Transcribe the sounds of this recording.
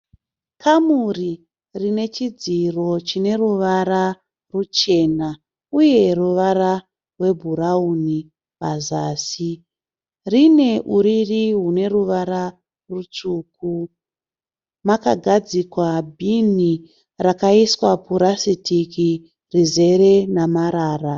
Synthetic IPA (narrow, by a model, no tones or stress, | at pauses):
kʰamuri | rine̞t͡ʃid͡ziro̞t͡ʃine̞ruʋaɾa | rut͡ʃe̞na | uje̞ruʋara | rwe̞bʱuɾauni | pazaːsi | rine̞ʔuɾiriɦune̞ruʋaɾa | rut͡ʂuːku | makaɡʱad͡zikwabʱini | rakaiswapuɾasitiki | rize̞ɾe̞namaɾaːra